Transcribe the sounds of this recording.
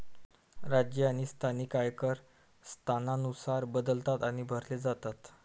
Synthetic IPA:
ɾad͡ʑjəañist̪ʰanikajkəɾ | st̪ʰananusaɾbəd̪əlt̪at̪aɽ̃ibʱəɾled͡zat̪at̪

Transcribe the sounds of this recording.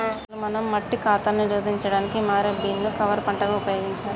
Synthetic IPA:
lumɐnɐmːɐʈːikaːt̪ɐniɾoːd̪ʱiɲt͡ʃɐɽaːnikimaːɾɐbiːnnukɐʋɐɾpɐɳʈɐɡaːupɐjo̞ːɡiɲt͡ʃaːɾ

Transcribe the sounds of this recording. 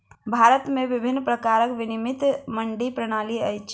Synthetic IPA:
bʱaɾət̪meʋibʱinːpɾəkaɾəkʋinimit̪məɳɖipɾəɽ̃aliəjt͡ʃʰ

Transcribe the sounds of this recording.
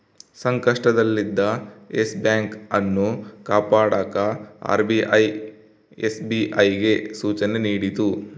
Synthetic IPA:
sɐŋkɐʂʈɐd̪ɐlːid̪ːɐesbjaːŋkɐnːukaːpaːɽaːkɐa̰ːɾbiʔɐj | esbiʔɐjɡe̞suːt͡ʃɐneniːɽit̪u

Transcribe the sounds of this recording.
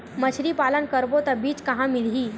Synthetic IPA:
mət͡ɕʰɾipalənkəɾbot̪əbiːt͡ʃkɐɦãmɪlɦiː

